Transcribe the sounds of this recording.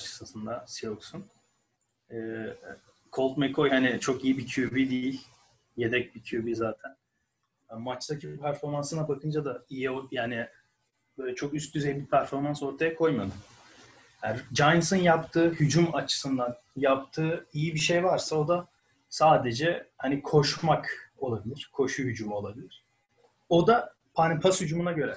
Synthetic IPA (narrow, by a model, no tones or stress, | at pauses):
t͡ʃɯ̥sasɯnd̪asioksun | ɛː | kʰo̞lˠt̪mekʰo̞jhaːnɪt͡ʃʰo̞kijibicʰubid̪iilʲ | je̞d̪ɛc̚bicʰybizaːt̪ʰæn | mat͡ʃt̪acʰibpʰæɾfo̞ɾmansɯnabakʰɯnd͡ʒad̪aijiojaːnɪ | bølʲɛt͡ʃʰo̞kyst̪̚d̪yzejibipʰæɾfo̞ɾmanso̞ɾt̪ʰajakʰo̞jmad̪ɯm | jad͡ʒajnsɯnjapt̪ʰɯːhyd͡ʒumat͡ʃʰɯ̥sɯnd̪an | jap̚t̪ʰɯːijibiʃejvaɾsao̞d̪a | saːd̪ed͡ʒɛhanikʰo̞ʃmako̞lˠabilʲiɾ̥kʰo̞ʃuɦyd͡ʒumo̞lˠabilʲiɾ̥ | o̞d̪a | pʰanipʰashyd͡ʒumunaɟø̞ɾɛ